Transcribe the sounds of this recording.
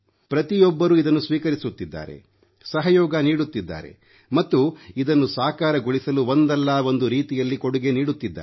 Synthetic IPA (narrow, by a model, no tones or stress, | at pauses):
pɾɐt̪ijɔbːɐɾuid̪ɐnːusʋiːkɐɾisut̪ːid̪ːa̰ːɾe̞̰ | sɐɦɐjɔːɡɐniːɽut̪ːid̪ːa̰ːɾe̞̰ | mɐt̪ːuid̪ɐnːusaːkaːɾɐɡuɭisɐluond̪ɛlːao̞nd̪uɾiːt̪ijɐlːikoɽuɡe̞niːɽut̪ːid̪ːa̰ː